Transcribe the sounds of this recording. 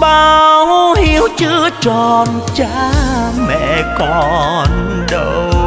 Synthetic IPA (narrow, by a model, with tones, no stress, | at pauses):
ɓaː˧whi˧˦əwt͡ɕɨ˧˦əət͡ɕɔ˨˩nt͡ɕa˧˦mɛ̰˧˨kɔ˨n | ɗə˧˨˩w